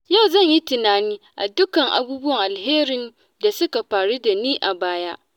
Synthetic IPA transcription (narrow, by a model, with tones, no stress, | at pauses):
ja˦˨wzɐ˦˨ɲji˦tɪ˨naː˨niː˦ʔa̰˨dʊ˦kɐ˨ŋʔa̰˨buː˦bʊ˦wɐ˨ŋʔa˨lɦeː˦ɾɪ˨n | da˨sʊ˦ka˨ɸaː˨ɽu˦da˨niː˦ʔa˨baː˦ja˦ʔ